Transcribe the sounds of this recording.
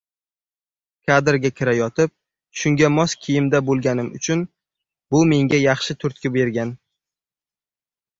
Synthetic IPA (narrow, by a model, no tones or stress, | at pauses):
kʲʰad̪ɾɡʲakʲʰɪɾajɒt̪ʰɪp̚ | ʃʊŋɡʲamɒskʲʰijɪmd̪abolˠɡʲanɪmʊt͡ʃʰʊn | bʊme̞ŋɡʲajɑχʃɪt̪ʰʊɾt̪̚kʲabe̞ɾɡʲan